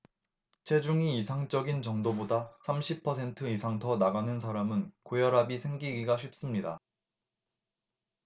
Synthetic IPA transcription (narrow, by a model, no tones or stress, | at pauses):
t͡ɕʰe̞d͡ʑuŋiːsʰaŋt͡ɕ͈ʌɡint͡ɕʌŋdobodasʰamɕʰipʰʌsʰe̞ntʰɯisʰaŋtʰʌnaɡanɯnsʰaɾamɯnkojʌɾɦabisʰe̞ŋɡiɡiɡaɕʰip̚s͈ɯmɲida